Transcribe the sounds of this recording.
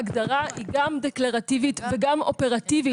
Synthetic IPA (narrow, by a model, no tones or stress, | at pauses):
aɡd̪aʁahiɡamd̪eklaʁat̪ivit̪veɡamo̞pe̞ʁat̪ivi